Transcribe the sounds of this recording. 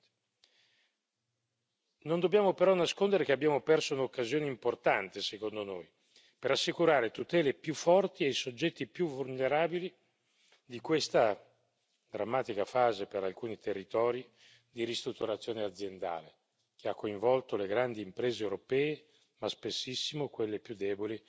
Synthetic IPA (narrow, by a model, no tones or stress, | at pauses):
nond̪obːjaːmopeɾɔnːaskond̪eɾekeabːjaːmopɛrsounokːazjoːneimport̪ant̪esekond̪onoj | peɾasːikuɾaːɾet̪ut̪ɛːlepjufːɔrt̪iajsod͡ʒːɛt̪ːipjuvulneɾaːbili | d̪ikwest̪a | d̪ɾamːaːt̪ikafaːzepeɾalkuːnit̪erːit̪ɔːɾi | d̪iɾist̪ɾut̪ːuɾat̪sːjoːnead̪zːjend̪a̰ːle | k̟ʰeakːoiɱvɔlt̪oleɡɾand̪iːmpɾeːzewɾopɛːe | maspesːisːimokwelːepjud̪ːɛːboli